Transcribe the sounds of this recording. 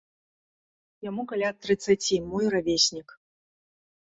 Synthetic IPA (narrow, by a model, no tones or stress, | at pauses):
jamukalʲat̪ːɾɨt̪sːat͡sʲimɔjravʲesʲnʲik